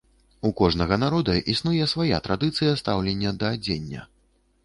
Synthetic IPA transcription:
ukɔʐnɐɣɐnaɾɔd̪ɐʔisnujɛsvaja̰t̪ɾad̪ɨt̪sɨjɐst̪awlʲenʲːɐd̪ɐːd͡zʲenʲːɐ̰

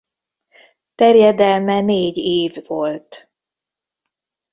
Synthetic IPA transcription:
t̪ɛrjɛd̪ɛlmɛneːɟeːvolt̪

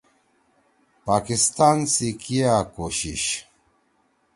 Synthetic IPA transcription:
paːkist̪ansikiakoɕiʃ

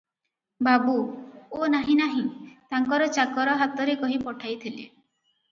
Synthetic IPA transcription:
babuonaɦĩnaɦĩt̪aŋkɔɾɔt͡ʃakɔɾɔɦat̪ɔɾekɔɦipɔʈʰajt̪ʰilḛ

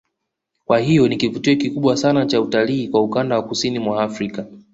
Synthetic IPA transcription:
kwahijɔnikivutiɔkikuɓwasanat͡ʃautaliːkwaukandawakusinimwaːfɾika

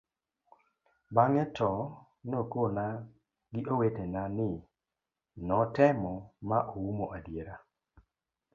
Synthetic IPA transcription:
baŋɛtɔ | nokona | ɡɪʔowetenanɪ | nɔtɛmɔmaʔoumoʔadjeɾa

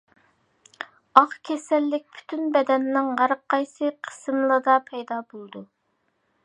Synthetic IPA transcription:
ɑχkʲʰɛsɛlːɪk̚ʲpʰy̥t̪ʰynbɛd̪ɛnːɪŋʁæɾqʰːɑjsɨqʰə̥sɨmlˠɨd̪ɑpʰɛjd̪ɑbolˠd̪u

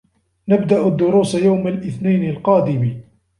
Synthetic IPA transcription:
nabd̪aʔʊd̪ːʊɾuːsjawmalʔɪθnajnalqɑːd̪ɪmi

